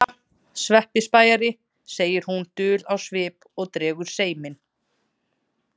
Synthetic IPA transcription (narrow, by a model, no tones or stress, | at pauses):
svɛhpɪspaːjaɾɪ | seːjɪɾ̥hunt̪ʏːlawsvɪːp | ɔɣt̪ɾɛːɣʏɾ̥seːjmɪn